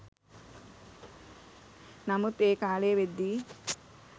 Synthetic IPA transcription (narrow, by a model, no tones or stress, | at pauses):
nɐmut̪eːkaːleːʋed̪ːi